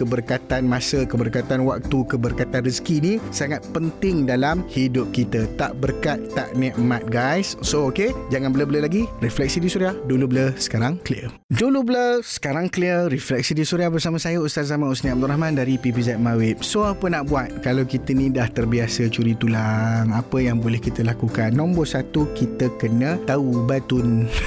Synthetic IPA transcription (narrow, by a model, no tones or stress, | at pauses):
kəbərkat̪anmasəkəbərkat̪anwak̚t̪ukəbərkat̪anriskinisaŋat̪̚pənt̪ɪŋdalamhidʊp̚kit̪ət̪aʔbərkat̪ːa̰ʔnɛʔmat̪̚ɡajssooked͡ʒaŋanbələbələlaɡiriflɛk̚sidisuɾiahdulubələsə̥kaɾaŋkliə | dulubələsə̥kaɾaŋkliəɾiflɛk̚sidisuɾiahbərsamãsajəust̪at̪̚zamãusniab̚t̪uɾaɦmãndaɾipipizat̪̚mawɪp̚soapənaʔbuat̪̚kalawkit̪ənĩdaht̪ərbiasət͡ʃuɾit̪ulaŋapəjaŋbolɛhkit̪əlakukanːɔ̃mbɔsat̪ukit̪əkənə̃t̪aubat̪ʊn